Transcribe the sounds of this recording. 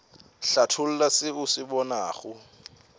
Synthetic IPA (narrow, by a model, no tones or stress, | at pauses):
ɬatʰʊl̩lasɪʊsɪbɔnaːχʊ